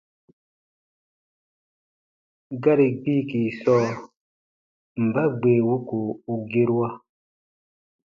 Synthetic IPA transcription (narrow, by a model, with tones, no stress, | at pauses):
ɡa˦ɾi˨ɡ͡biː˦˨ki˨sɔː˦˨ | m̩˨ba˦ɡ͡beː˨wu˦ku˨u˨ɡe˦ɾwa˦